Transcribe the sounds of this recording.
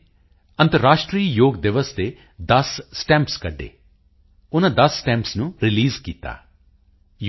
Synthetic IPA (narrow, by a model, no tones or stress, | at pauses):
ə̃nt̪əɾːaːʃʈɾiːjoːɡd̪ɪʋəst̪eː | d̪ɐsːʈɛ̃mpskɐɖːḛː | ʊnãd̪ɐsːʈɛ̃ːmpsnũɾɪliːzkiːt̪a̰ː | j